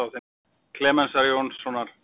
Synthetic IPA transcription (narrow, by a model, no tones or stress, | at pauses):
awθɛ | kʰlɛːmɛnsaɾjonsːɔnaɾ̥